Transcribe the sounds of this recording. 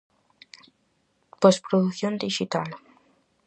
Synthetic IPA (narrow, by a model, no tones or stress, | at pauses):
pospɾod̪ukθiond̪iʒit̪alə